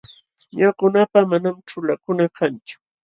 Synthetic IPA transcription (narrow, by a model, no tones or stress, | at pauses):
ɲakʊnapamanamʈ͡ʂʊlakʊnakant͡ʃʊ̥